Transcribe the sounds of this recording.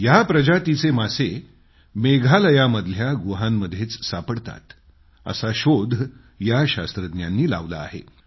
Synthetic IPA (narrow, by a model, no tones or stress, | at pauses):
japɾəd͡ʑat̪it͡semase | meɡʱaləjaməd̪ʱljaɡuɦanːəd̪ʱjet͡ssapəɽt̪a̰t̪ | ə̰saɕod̪ʱ | jaɕa̰st̪ɾəd̪njanːiːla̰ʋla̰ːɦḛ